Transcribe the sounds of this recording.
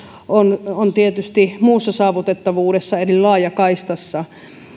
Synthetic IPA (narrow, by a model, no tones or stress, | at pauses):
onont̪iet̪yst̪imuːsːɑsɑːʋut̪et̪ːɑʋuːɾesːɑerillɑːjɑkɑist̪ɑsːɑ